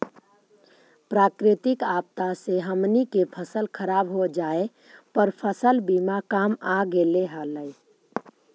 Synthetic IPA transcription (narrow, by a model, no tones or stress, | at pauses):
pɾaːkɾɪt̪ɪkaːp̚t̪aseɦəmnikepʰəsəlkʰəɾaːbɦod͡ʒaːe | pəɾpʰəsəlbiːmakaːmaɡeleɦaːləe